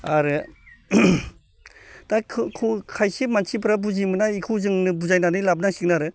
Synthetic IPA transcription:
aɾɯ | takʰɯkʰukʰajsimansibɯɾabuzimɯnaikʰɯzɯŋnɯbuzajnanɯjlab̚nasik̚naɾɯ

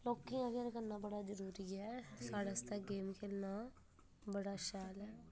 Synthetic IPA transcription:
loːkːĩãɡaːɾkənːãːbəɽaːd͡ʒəɾuːɾiːɛːsaːɽaːst̪aːɡeːmkelnãː | bəɽaːʃaːlɛː

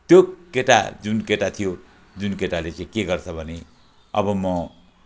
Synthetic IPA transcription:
t̪jokeʈa̰d͡zunkeʈat̪ʰijo | d͡zunkeʈalet͡sãĩkeɡʌrt͡sʰʌbʱʌne | ʌ̰bʌmʌ

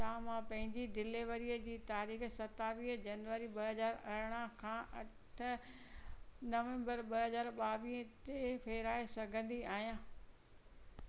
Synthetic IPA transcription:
t̪ãːmãpɐ̃ɦɪ̃ɲd͡ʑiɖɪleʋəɾiəd͡ʑiːt̪aːɾiːxsɐt̪aʋĩːɦəd͡ʑɐnʋəɾiɓɐɦɐzaːɾɐɾɽ̃əkʰãːʔɐʈʰʊ̆ | nɐʋɛ̃mbəɾɓɐɦɐzaːɾɓaːʋĩːɦt̪efʰeːɾaːesɐɡʱə̃nd̪iaːɦijãː

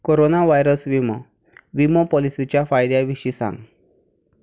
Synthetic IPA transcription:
koɾonaʋajɾəsʋimə | ʋimopɔlisit͡ɕjafajd̪jaʋiʂiːsã̰ŋɡ

